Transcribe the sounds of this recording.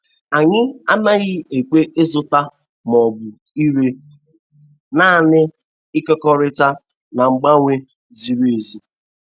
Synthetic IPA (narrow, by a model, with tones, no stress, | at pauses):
a˨ɲɪ˦a˦na˦ɣɪ˦e˨k͡pe˦ʔe˦zʊ˦ta˦ | m˨ɔ˨bʊ˨ | i˦ɾe˦ | na˦˨nɪ˦ | ɪ˦kɔ˦kɔ˦ɾɪ˦ta˦ | na˨ŋ͡m̩˨ɡ͡ba˦ŋʷe˦ | zi˨ɾe˨zi˦